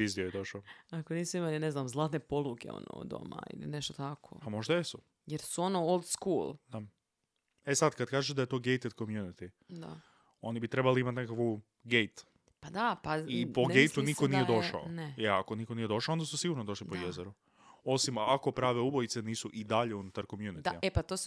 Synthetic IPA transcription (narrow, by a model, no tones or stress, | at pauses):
bizd̪ioed̪o̞ʃaoakoniːsuimalineznaːmzlˠaːt̪nepo̞lˠukeo̰no̰d̪o̰ma̰ḭlḭneʃt̪ot̪akʰo̰pamo̞ʒd̪ajesu | jeɾsuo̞noolˠd̪skuːlˠd̪a | esad̪kad̪kaːʒed̪aje̞t̪o̞ːɡe̞jt̪ed̪komjunit̪i | d̪a̰ | o̞nibit̪ɾe̞baliimat̪nekaku | ɡejt̪ | pad̪apaipo̞ɡejt̪unikonijed̪o̞ʃa̰oneeako̞nikonije̞d̪o̞ʃaond̪asusiɡuɾnod̪o̞ʃlipo̞jezeɾu | o̞simako̞pɾaːʋe̞ubojit̪se̞niːsuʔid̪aʎe̞unut̪aɾkomjunit̪aiepat̪os